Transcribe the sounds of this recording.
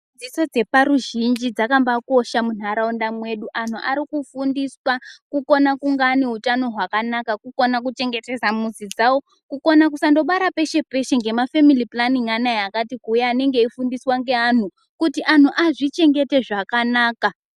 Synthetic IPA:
d͡ziso̞d͡ze̞paɾuʒind͡ʒid͡zakambako̞ʃamun̤aɾaundamwe̞ɗuʔan̤uʔa̰ɾikufundiswakuko̞nakuŋɡaneɦutano̞ɦwakanakakuko̞nak̬ut͡ʃe̞ŋɡe̞te̞zamuzid͡zawo̞ | kuko̞nak̬usando̞ɓaɾape̞ʃe̞pe̞ʃe̞ŋɡe̞mafemiliplaniŋanajakatikujaːne̞ŋɡe̞ifundiswaŋɡe̞an̤u | kutiʔan̤uʔaʐit͡ʃe̞ŋɡe̞te̞ʐakanaːka

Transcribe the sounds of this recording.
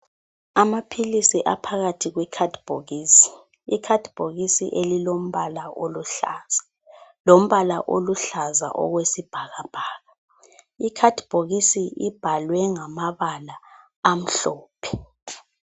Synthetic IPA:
amapʰilisiʔapʰaɣatʰiɣwɛkʰadb̥ʱoɣiːsi̥ | ikʰad̥b̥ʱoɣisḭʔelilom̩βalaoluɬaza | lom̩βalaʔo̰luɬaza̰ʔɔ̰ɣwesib̥ʱaɣab̥ʱaːɣa | ikʰad̥ʱb̥ʱoɣisiib̥ʱalwɛŋamaβalaː | m̩ɬoːpʰɛ̥

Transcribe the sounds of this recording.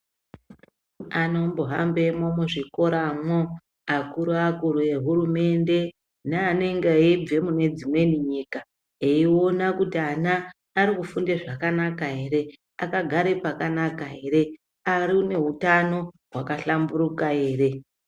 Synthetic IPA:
ano̞mboɦa̰mbe̞momuʐiko̞ɾamo | akuɾuakuɾue̞ɦurume̞nde̞ | neaneŋɡeib͡ve̞mune̞d͡zimwe̞niɲiːka | eio̞nakutianaː | ɾikufundeʐakanakaɦeɾe̞ | akaɡʱaɾe̞pakanakaɦe̞ɾe̞ | aɾiune̞ɦutano̞ɦwakaɬamburukae̞ːre̞

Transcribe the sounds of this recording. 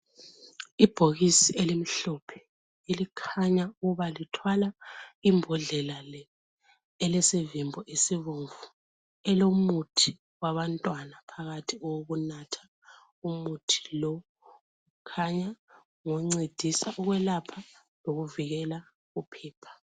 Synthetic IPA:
ib̥ʱoɣisiʔelim̩ɬɔpʰɛ̥ | ilikʰaɲauɣuβalitʰwalaimbʱɔɮɛlalɛː | lɛsevimbʱɔʔesiβoɱvu | ɛlomutʰi | waβantʼwanapʰaɣatʰiɔwoɣunatʰḁ | umutʰi̥lɔ | kʰaɲa | ŋoŋ͡ǀed̥ʱisaʔuɣwɛlapʰa | loɣuviɣɛla | upʰɛːpʰḁ

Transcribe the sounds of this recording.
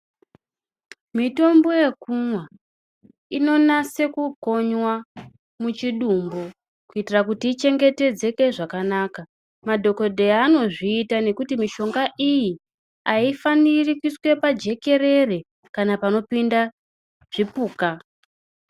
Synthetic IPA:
mito̞mbo̞je̞kumwa | ino̞nase̞kuko̞ɲwa | mut͡ʃiɗumbo | kuitirakutiːt͡ʃe̞ŋɡe̞te̞d͡ze̞ke̞ʐakanaːka | madʱo̞ko̞dʱeaːno̞ʐiːtane̞kutimiʃo̞ŋɡaʔiji | aifanirikiswe̞pad͡ʒe̞ke̞re̞re̞ | kanapano̞pinda | ʐ̥ipuːka

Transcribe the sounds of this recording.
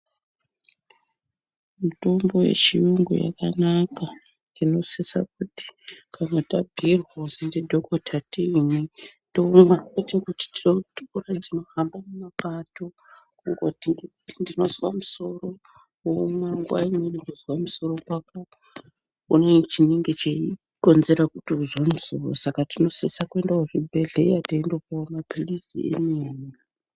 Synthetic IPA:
muto̞mbo̞je̞̰t͡ʃijuŋɡo̰ja̰kanaka | ino̞sesa̰k̚uti̥kanotabʱirwazindedʱokotʰatiini | domaketekuti̥tioturad͡zimaɦambamemapato̞ | kuŋɡotiŋɡekutindino̞zwamuso̞ro̞ | omwaŋɡwa̰iɲenikozwamuso̞ɾo̞kwaka | unet͡ʃineŋɡet͡ʃei | ko̞nze̞ɾakutiuzonzoo̰sakatino̞sesakue̞ndauribʱeɮejataendokamapilisḭḛneːni

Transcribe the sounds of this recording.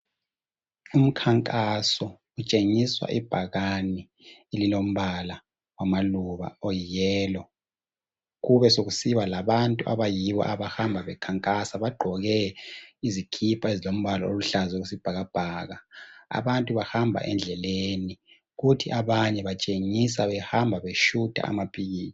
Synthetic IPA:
um̩kʰaŋkʼasɔ | ut͡ʃʼeŋiswa̰ʔib̥ʱaɣani | elilom̩βala | wamaluβa̰ojijɛːlɔ | ɣuβɛsoɣusiβalaβantʼuʔa̰βajiβɔ̰ʔaβahambʱaβɛkʰaŋkʼasaβaɡ͡ǃʱɔɣɛizikʰipʰaezilom̩βalao̰luɬazɛɣusib̥ʱaɣab̥ʱaːɣaa̰βantʼuβahambʱa̰ʔɛnd͡ɮʱɛleni | ɣutʰiʔaβaɲɛβat͡ʃʼeŋisaβɛhambʱaβeʃud̥ʼʱa̰a̰mapʰiɣiːzi

